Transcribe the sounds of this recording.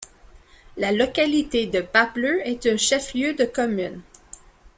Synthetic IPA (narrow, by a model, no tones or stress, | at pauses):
lalɔkʲalit̪ed̪əpapløɛt̪ɛ̃ʃɛfljød̪əkɔmyn